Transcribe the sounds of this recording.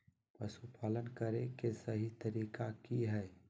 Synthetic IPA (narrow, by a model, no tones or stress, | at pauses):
pɐsupʰaːlənkɐɾẽkesɐɦit̪ɐɾiːkakiɦɛː